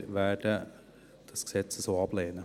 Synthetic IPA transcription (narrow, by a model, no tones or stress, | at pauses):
ʋæːɖə | d̪̥ɑsɡ̥sɛt̪səsoɑbleːnə